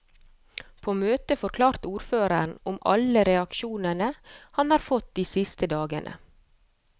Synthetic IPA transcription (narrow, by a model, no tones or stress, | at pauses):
pʰoːmøːt̪əfɔɾkʰlɑːɾt̪uːɾføːɾəɳ̩ʊmɑ̰ləɾɛɑkʃuːnənəhɑnhɑːɾfɔt̪̚d̪iːsɪst̪əd̪ɑːɡə̰nʔə̰